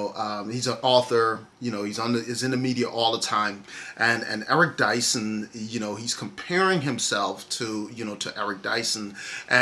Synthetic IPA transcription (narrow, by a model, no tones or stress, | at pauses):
ʊʔʌ̃hizəʔɔθə˞ | jɨñoʊhiz̃n̩ɨɪzɨ̃nɨmiɾiɨʔɔlˠðətʰãɪ̃mʔɨ̃nɨ̰̃nɛ̰ɹɨk̚d̥aɪsɨ̃njɨñoʊiz̥kʰm̩pʰɛɹɪ̃ŋɨ̃msɛlˠftʰɨjɨñoʊɾɨʔɛɹɨk̚d̥aɪsn̩ʔɨ̃